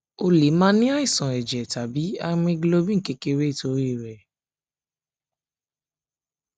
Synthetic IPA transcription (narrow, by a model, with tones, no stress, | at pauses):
o˧le˨˦mãː˦nĩ˦a˦i˦˨sã˨ɛ˨d͡ʒɛ˨ta˨bi˨˦a˧mĩ˧ɡlo˧bĩ˦ŋ̩˨ke˨˦ke˧ɾe˦˨to˨˦ɾi˦˨ɾɛ˨